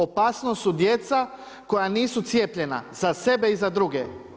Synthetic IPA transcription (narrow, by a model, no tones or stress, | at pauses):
opaːsnosud̪je̞t̪sa | ko̞janiːsut̪sije̞ːpʎe̞na̰zase̞be̞izad̪ɾuɡe